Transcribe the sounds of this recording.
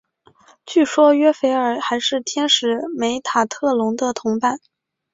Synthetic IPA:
t͡ɕy˥˩ʂwɔ˥ɥɛ˥fe˧˥ɪə˞˨˩xa˧˥ɪʂɻ̩˥˩t̪ʰjɛ˥nʂɻ̩˧˥me˧˥ɪt̪ʰa˨˩t̪ʰɤ˥˩lʊ˧˥ŋd̪ə˧t̪ʰʊ˧˥ŋpa˥˩n

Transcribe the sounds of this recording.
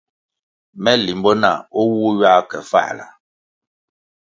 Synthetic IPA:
mɛ˦li˨mbɔ˦na˨ɔ˦wu˦ɥa˦kɛ˨fa̰˦ʔla̰˨

